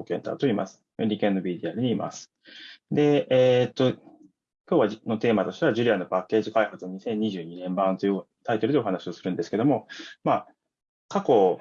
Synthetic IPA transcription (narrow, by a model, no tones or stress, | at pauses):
okẽ̞̰nt̪a̰t̪o̞ima̰sɨ̥ | ɾʲikẽ̞nːo̞bʲid̪ʲiaɾʲɯɲ̟iːmʔa̰sɨ̥ | d̪e̞ːt̪ːo̞ | kʲo̞ːβano̞t̪e̞ːmat̪o̞ɕit̪eaʑɨɾʲiano̞pakːe̞ːʑikaiɦat͡sɨnoɲ̟isẽ̞ɲ̟ːiʑɨːɲ̟inẽ̞mbãnt̪o̞jɯ | t̪ait̪o̞ɾɯ̟d̪e̞o̞hanaɕio̞sɨ̥ɾɯ̟̃nd̪e̞sɨ̥ke̞d̪o̞mo̞ma | kako̞